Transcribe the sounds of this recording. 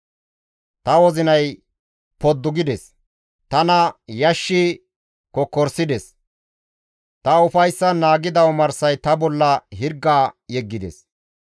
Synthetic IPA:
t̪ɐwɔzɪnɐj | pɔd̪ːʊɡɪd̪ɛs | t̪ɐnɐjɐʃːɪ | kɔkːɔɾsɪd̪ɛs | t̪ɐʊfɐjsːɐnaːɡɪd̪ɐwɔmɐɾsɐjt̪ɐbɔlːɐɦɪɾɡːaːjɛɡːɪd̪ɛ̰s

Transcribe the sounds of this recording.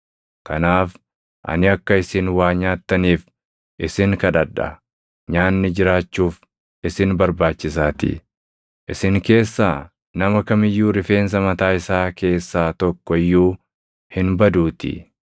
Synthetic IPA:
kɐnaːf | ʔɐ̰nɪɐkːɐɪsɪnwaːɲaːt̪ːɐniːf | ʔɪsɪŋkɐᶑɐᶑɐ̰ | ɲaːnːɪd͡ʒɪɾaːt͡ʃːuːf | ʔɪsɪnbɐɾbaːt͡ʃːɪs̬aːt̪ɪ̰ | ʔɪsɪŋke̞ːsːaː | nɐmɐkɐmɪjːuːɾɪfe̞ːns̬ɐmɐt̪aːɪsaːke̞ːsːaːt̪ɔkːɔɪjːuː | hɪnbɐd̪uːt̪ɪ̰

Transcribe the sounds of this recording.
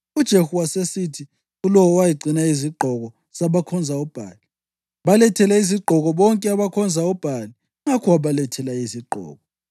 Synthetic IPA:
ud̥ʒ̥ʱehuwasesitʰi | ɣulɔwɔwajiɡ͡ǀʱinaiziɡ͡ǃʱɔɣɔ | z̥aβakʰɔnd͡zʱaɔb̥ʱa̰ːli | βalɛtʰɛlɛiziɡ͡ǃʱɔɣɔβɔŋkʼɛaβakʰɔnd͡zʱaɔb̥ʱali | ŋakʰɔwaβalɛtʰɛlaiziɡ͡ǃʱɔ̰ːɣɔ

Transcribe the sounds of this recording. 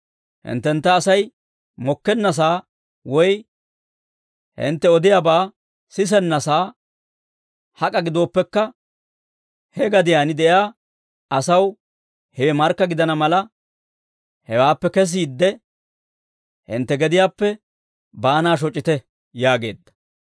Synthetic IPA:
hɪ̰nt̪ːɛnt̪ːɐːsɐj | mɔkːɛnːɐs̬aː | wɔj | hɪ̰nt̪ːɛɔd̪ɪjabaː | sɪs̬ɛnːɐsaː | hɐkʼɐɡɪd̪oːpːɛkːɐ | hɛɡɐd̪ɪjaːnɪd̪ɛjaː | ɐsɐw | hɛwɛmɐɾkːɐɡɪd̪ɐnɐmɐlɐ | hɛwaːpːɛkɛs̬iːd̪ːɛ | hɪ̰nt̪ːɛɡɛd̪ɪjaːpːɛ | baːnaːʃ̬ɔt͡ʃʼːɪt̪ɛ | jaːɡe̞̰ːd̪ːɐ̥

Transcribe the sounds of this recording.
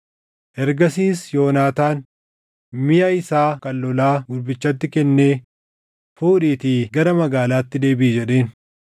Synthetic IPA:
ʔɛɾɡɐsiːsjo̞ːnaːt̪aːn | mɪjaɪsaːkɐlːɔlaːɡʊdbɪt͡ʃːɐt̪ːɪkɛnːeː | fuːᶑiːt̪iːɡɐɾɐmɐɡaːlaːt̪ːɪd̪e̞ːbɪːd͡ʒɛᶑe̞ːn

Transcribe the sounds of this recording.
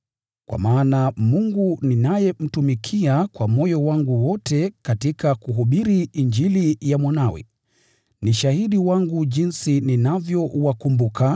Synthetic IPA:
kwʔa̰maːnamuŋɡuninajɛm̩tumikʰiakwamɔjɔwaŋɡuwɔtɛkatikakuɦuɓiɾiːɲd͡ʒilijamwanawɛ̰ | niʃahiɗiwaŋɡuʄinsininavjɔwakumbuka

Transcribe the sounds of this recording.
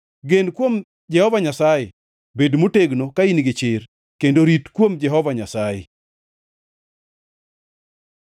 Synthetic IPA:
ɡenkwom | d͡ʒɛhɔvaɲasaje | bedmoteɡnokainɡɪt͡ʃɪr | kendoɾitkwomd͡ʒɛɦɔvaɲasajḛ

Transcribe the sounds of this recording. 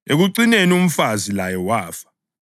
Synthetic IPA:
eɣuǀinenium̩fazilajɛwaːfḁ

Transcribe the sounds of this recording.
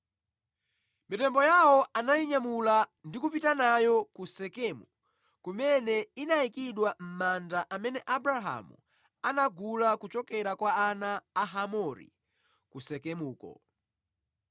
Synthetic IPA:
mitɛmbɔjawɔanajiɲamulandikupitanajɔkusɛkɛmu | kumɛnɛinaikiɗwam̩mandaʔamɛnɛʔabɾaɦa̰mṵ | anaɡulakut͡ʃɔkɛɾakwaːnaːɦamɔɾḭ | kusɛkɛmuːkɔ̰

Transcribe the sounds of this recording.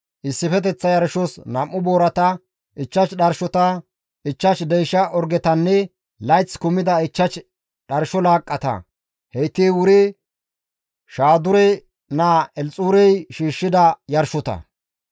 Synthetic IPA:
ʔɪsːɪfɛt̪̬ɛt͡sːɐjɐɾʃɔsnɐmːʊboːɾɐt̪ɐ | ɪt͡ʃːɐt͡ʃɗɐɾʃɔt̪ɐ | ʔɪt͡ʃːɐt͡ʃd̪ɛjʃɐʔɔɾɡɛt̪ɐnːɛ | lɐjt͡skʊmːɪd̪ɐɪt͡ʃːɐt͡ʃ | ɗɐɾʃɔlaːkʼːɐt̪ɐ̰ | hɛjt̪ːiːwʊɾɪ | ʃaːd̪ʊɾɛ | naːɛlt͡sʼuːɾɛjʃiːʃːɪd̪ɐjɐɾʃɔt̪ɐ̰

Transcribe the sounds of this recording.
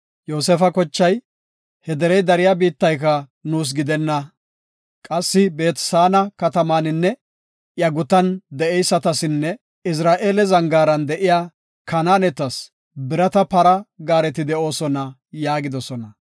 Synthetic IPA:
jo̞ːsɛfɐkɔt͡ʃːɐj | hɛd̪ɛɾɛjd̪ɐɾɪjabiːt̪ːɐjk̬ɐ | nuːs̬ɡɪd̪ɛnːɐ | kʼɐsːɪbe̞ːt̪saːnɐkɐt̪ɐmaːnɪnːɛ | jɐɡʊt̪ɐnd̪ɛʔɛjsːɐt̪ɐsɪnːɛ | ɪs̬ɾaːʔeːlɛzɐŋɡaːɾɐnd̪ɛʔɪjaː | kɐnaːnɛt̪ɐs | bɪɾɐt̪ɐpɐɾɐɡaːɾɛt̪ɪd̪ɛʔo̞ːsɔnɐ | jaːɡɪd̪ɔsɔnɐ

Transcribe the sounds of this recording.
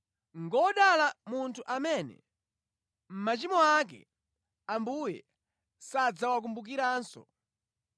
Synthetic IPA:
ŋɡɔɗalamuntʰuʔamɛnɛ̰ | m̩mat͡ʃimɔak̬ɛ̰ | ambujɛ̰ | sad͡zawak̬umbuk̬iɾaːnsɔ̰

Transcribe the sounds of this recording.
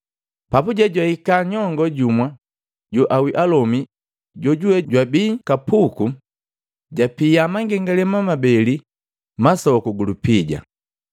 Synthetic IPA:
papuɟaɟwaikaɲɔŋɡɔɟumwa | ɟɔʔawiʔalɔmi | ɟɔɟuwɛɟwabiːkapuku | ɟapiamaŋɡɛŋɡalɛmamabɛli | masɔkuɡulupiɟa̰

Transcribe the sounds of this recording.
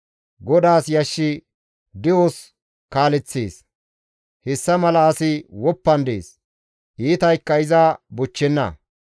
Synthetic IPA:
ɡɔd̪aːsjɐʃːɪ | d̪ɪwos | kaːlɛt͡sːḛːs | hɛsːɐmɐlɐːsɪwɔpːɐnd̪ḛːs | ʔiːt̪ɐjkːɐɪzaːbʊt͡ʃːɛnːɐ̰

